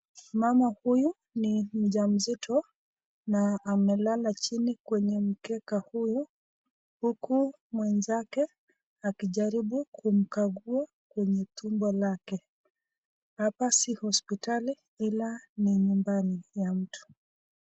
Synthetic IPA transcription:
mamahuju | nim̩ʄam̩zitʰɔ | naːmɛlalat͡ʃinikwɛɲɛm̩kɛkahuju | huku | mwɛnzakɛ | akiʄaɾiɓukʰum̩kaɡua | kwɛɲɛtumbɔlakɛ | apasihɔspitali | ilaniɲumbanijam̩tu̥

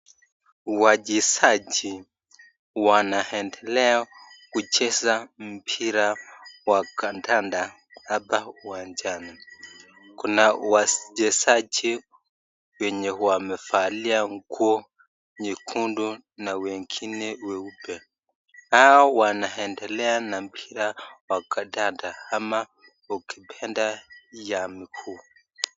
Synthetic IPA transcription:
wad͡ʒɛsad͡ʒi | wanahɛndɛlɛakut͡ʃɛzam̩pʰiɾawakantanda | aðauwaɲd͡ʒana | kunawad͡ʒɛsad͡ʒi | wɛɲɛhuwamɛfaliaŋɡɔ | ɲikʰundu | nawɛŋkʰinɛwɛubɛ | aɔwanaɦɛndɛlɛanampʰiɾawakʰadandahama | ukʰipʰɛndajamikʰu

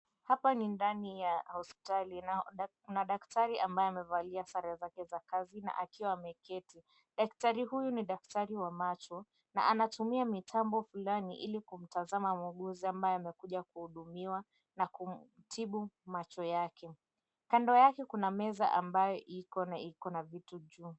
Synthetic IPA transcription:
hapanindanijahɔspi̥tali | unaɗaktaɾiʔambajɔamɛvaliasaɾazakɛzakazina̰ʔakiwamɛkɛti | ɗaktaɾihujuniɗak̚taɾiwamat͡ʃɔ | na̰ʔanatumiamitʰambɔfulaniʔilikum̩tazamamuɠuziambajɔamɛkuʄakuhuɗumiwa | nakum̩ | tʰiɓumat͡ʃɔjakʰɛ | kandɔjakɛkunamɛza̰ʔambajɔʔikɔnaikɔnavituʄuː

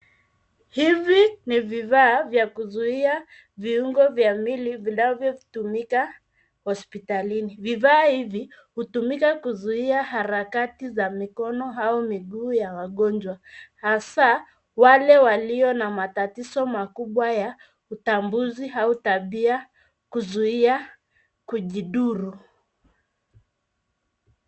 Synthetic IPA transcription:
hiviniviðaːvjakuzuia | viuŋɡɔvjamilivinavjɔutumika | hɔspitaliniviðaːhivi | hutumikakuzuiahaɾakatizamikɔnɔɦaɔmiɠuːjawaɠɔnd͡ʒwahasa | walɛwaliɔnamatatisɔmakuɓwaja | utambuziɦautaɓia | kuzuia | kuʄiɗuɾu

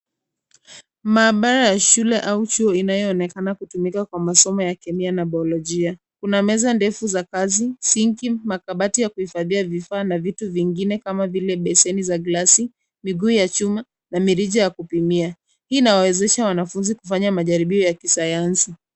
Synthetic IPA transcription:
maːɓaɾajaʃulɛʔaut͡ʃuɔinajɔːnɛkanakutumikakwamasɔmɔjakɛmianaɓaɔlɔʄia | kunamɛzandɛfuzakazisiŋkimakaɓatijakuhifaðiavifaːnavituviŋɡinɛkamavilɛɓɛsɛnizaɡlasi | miɠuːjat͡ʃuma | namiɾiʄajakupimia | hiːnawawɛzɛʃawanafunzikufaɲamaʄaɾiɓiɔjakisajansi

